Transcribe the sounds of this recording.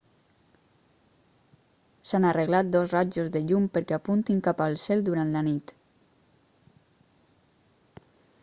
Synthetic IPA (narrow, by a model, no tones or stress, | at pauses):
sanareɣlat̪̚d̪ozrad͡ʒozðəʎumpəɾkeapunt̪iŋkapalˠsɛlˠd̪uɾant̪lanit̪